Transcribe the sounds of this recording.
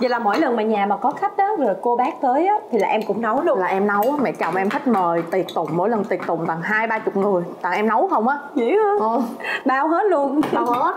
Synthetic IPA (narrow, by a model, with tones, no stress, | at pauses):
zi˧˩laː˨˩mo̰˧˥jlə˨˩nmaː˨˩ɲaː˨˩maː˨˩kɔ˨˦xa˦˥k̚ʔaː˨˦zo˨˩jko˧ɓaː˦˥k̚t̪əː˨˦jʔaː˨˦t̪ʰi˨˩laː˨˩ʔɛ˧mkʊ̰˧˥ŋ͡mnə˨˦wlu˧laː˨˩ʔɛ˧mnə˨˦waː˨˦mɛ̰˧˥t͡ɕɔ̰˨˩ŋ͡mmʔɛ˧mt̪ʰi˦˥k̟̚məː˨˩jt̪i˨˩ət̚t̪ʊ̰˧˨ŋ͡mmːo̰˧˥˦jlə˨˩nt̪i˨˩ət̚t̪ʊ̰˧˨ŋ͡mt̪a˨˩ŋɦaː˧jɓaː˧t͡ɕʊ˨˩k͡p̚ŋɨ˨˩əjt̪a˨˩ŋʔɛ˧mnə˨˦wxə˧wŋ͡mʔaː˨˦ɲḭ˧˨˥həː˨˦˨ɓaː˧wɦe˦˥t̚lu˧əna˧˦˥